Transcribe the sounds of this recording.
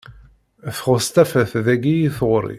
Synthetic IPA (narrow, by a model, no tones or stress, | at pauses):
θχəst̪æfæθðæɡijiθʁɾḭ